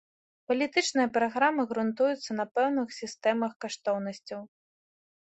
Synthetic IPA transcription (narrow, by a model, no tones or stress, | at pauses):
pɐlʲit̪ɨt͡ʂnɨjɐpɾaɣɾamɨɣɾunt̪ujut̪sːɐnɐpɛwnɨxsʲist̪ɛmɐxkaʂt̪ɔwnɐsʲt͡sʲɐw